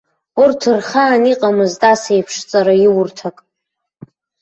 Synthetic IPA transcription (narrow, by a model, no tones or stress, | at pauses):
urtʰɨrχaːniqʼamɨztʼasejpʰʂt͡sʼaɾajiwʊrtʰakʼ